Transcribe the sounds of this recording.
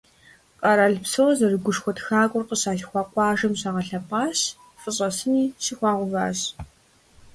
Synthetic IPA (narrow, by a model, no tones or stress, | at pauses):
qʼɐɾaɮpsorzɐrɨɡʷʊʂxʷɔtxaːkʷʼʊrqəsaːɬxʷɑːqʷʼɑːʒɐmɕaːʁɐɬɐpʼaːɕ | fɨɕʼɐsɨniːɕixʷɑːʁʷʊva̰ːɕ